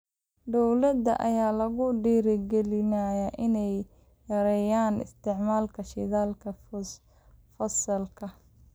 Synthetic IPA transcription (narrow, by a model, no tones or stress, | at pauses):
d̪ɔwlɐd̪ɐ̰ʔɐ̰jaːlɐɣʊɖiːɾɪɡɛlɪnajɐʔɪnɛj | jɐɾɛjaːnɪ̰st̪ʰɪʕmaːlkʰɐʃɪ̰ðaːlkʰɐ | fɐsɐlkʰɐ